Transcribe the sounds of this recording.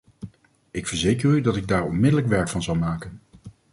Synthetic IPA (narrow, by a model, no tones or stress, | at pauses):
ɪkfəɹzejkərydɑtɪɡ̚daːɹɔnmɪdələkʋɛɹkfɑnzʌwmaːkən